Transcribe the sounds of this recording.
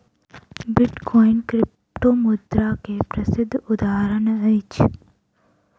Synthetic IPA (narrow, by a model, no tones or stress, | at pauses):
bɪʈkɔinkɾɪp | ʈomʊd̪ɾakepɾəsɪd̪ʱːʊd̪aːɦəɾənəit͡ʃʰ